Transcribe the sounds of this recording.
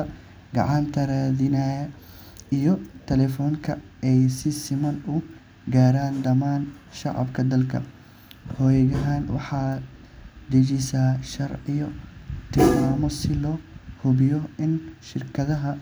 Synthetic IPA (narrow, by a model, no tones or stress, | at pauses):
ɐ | ɡɑ̰ʕɑnt̪ʰɐɾaːðɪnaːjɐ | ijɔt̪ʰɛlɛfɔːŋkʰɐɛjsɪsɪmɐnʊ | ɡaːɾaːnd̪ɐmaːnʃɑʕɑ̰bkʰɐd̪ɐlkʰɐ̰ | hɔːjɐɣɐɦaːnwɑ̰ħɑː | d̪ɐd͡ʒisaːʃɐrʕɪjɔt̪ʰɪlmaːmɔsɪlɔːhʊβɪjɔɪnʃɪrkʰɐðɐɦɐ